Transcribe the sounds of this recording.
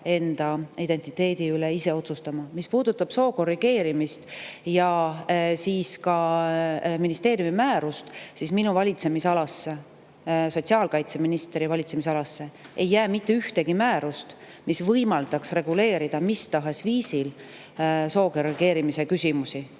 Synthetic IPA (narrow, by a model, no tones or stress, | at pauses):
e̞nd̪̥ɑid̪̥e̞nt̪ːˑit̪ːˑe̞ːd̪̥iyleise̞o̞t̪sust̪ɑmɑmispuːd̪ut̪ːˑɑb̥so̞ːko̞riɡ̥e̞ːɾimist̪jɑ | siːskɑ | minist̪e̞ːɾrjumimæːɾust̪sisminuvɑlʲit̪se̞misɑlɑsːe | so̞t̪siɑːlkɑjt̪se̞minist̪eɾivɑlʲit̪se̞misɑlɑsːe̞ʔejːæːmit̪ːeyht̪e̞ɡ̥imæːɾust̪ | misvɤjmɑld̪̥ɑksre̞ɡ̥ule̞ːɾid̪̥ɑmist̪ɑɦe̞sviːsil | so̞ːko̞riɡ̥e̞ːɾimise̞kysʲimusi